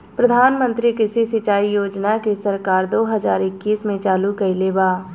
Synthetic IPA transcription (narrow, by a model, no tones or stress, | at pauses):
pɾəd̪ʱaːnmə̃nt̪ɾikɪsisɪt͡ʃaːijoːd͡ʒnakesɐɾkaːɾd̪oːɦɐzaːɾɪkːiːsmẽt͡ʃaːlukɐileːbaː